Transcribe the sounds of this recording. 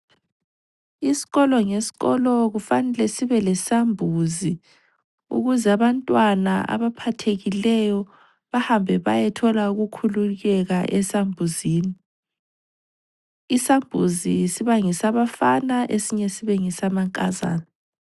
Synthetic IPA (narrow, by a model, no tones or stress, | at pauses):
isi̥ɣɔlɔŋesi̥ɣɔlɔɣufanɛlɛsiβɛlɛsambʱuzi | ṵɣuzɛaβantʼwana̰a̰βapʰatʰeɣilɛjɔ | βahambʱɛβajɛtʰɔlauɣukʰuluɣɛɣaʔɛsambʱuziːni | isambʱuzisiβaŋisaβafanaʔesiɲɛsiβɛŋisamaŋkʼaza̰ːna